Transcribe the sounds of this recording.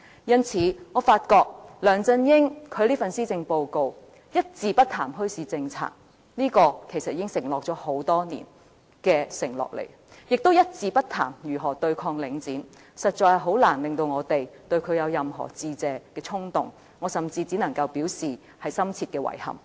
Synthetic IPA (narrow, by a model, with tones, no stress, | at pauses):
jɐ˥nt͡sʰiː˨˧˥ŋɔː˨˧faː˧t̚kɔː˧k̚lœː˨˩ŋt͡sɐ˥njɪ˥ŋkʰɵ˨˧ɥliː˥fɐ˨nsiː˥t͡sɪ˧ŋpo˧wko˧w | jɐ˥t̚t͡siː˧pɐ˥t̚t̪ʰaː˨˩mɦɵ˥ɥsiː˨˧t͡sɪ˧ŋt͡sʰa̰ː˧k̚ | niː˥kɔː˧kʰe˨˩jsɐ˨t̚iː˧kɪ˥ŋsɪ˨˩ŋlɔː˨k̚t͡ʃɔː˨˥ho˨˥wt̪ɔː˥nḭː˨˩n | kɛː˧sɪ˨˩ŋlɔ̰ː˨k̚lḛ˨˩j | jɪ˨k̚t̪o˥wjɐ˥t̚t͡siː˧pɐ˥t̚t̪ʰa̰ː˨˩mjyː˨˩ɦɔː˨˩t̪ɵ˧ɥkʰɔː˧ŋlɪ˨˧ŋt͡siː˨˥n | sɐ˨t̚t͡ʃɔː˧jhɐ˨˩ɦo˨˥wlaː˨˩nlɪ˨˩ŋt̪o˧wŋɔː˨˧t̪e˨jt̪ɵ˧ɥkʰɵ˨˧ɥjɐ˨˧wjɐ˨mɦɔ̰ː˨˩t͡siː˧t͡sɛː˨˧kɛː˧t͡sʰʊ˥ŋt̪ʊ̰˨ŋ | ŋɔː˨˧sɐ˨˩mt͡siː˧t͡siː˨˥nɐ˨˩ŋkɐ˧wpiː˨˥wsiː˨ | hɐ˨jsɐ˥mt͡sʰiː˧t̚kɛː˧wɐ̰˨˩jhɐ̰˨˩m